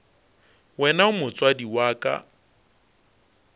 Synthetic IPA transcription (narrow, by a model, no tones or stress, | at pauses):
wɛnaʊmʊt͡sʼwadiwaːkʼa̰